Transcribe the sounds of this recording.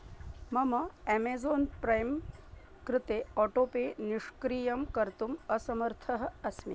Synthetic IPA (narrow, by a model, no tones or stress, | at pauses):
mɐmɐemeːzoːnpɾɐjm | kɾɪt̪eːoːʈoːpeːniʂkɾiːjɐmkɐɾt̪umɐsɐmɐɾt̪ʰɐɦɐ̆ɐsmi